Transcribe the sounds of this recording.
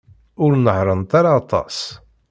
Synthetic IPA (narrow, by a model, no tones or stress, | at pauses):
ʊɾnəhɾˤənt̪aɾaːt̪ˤɑ̰s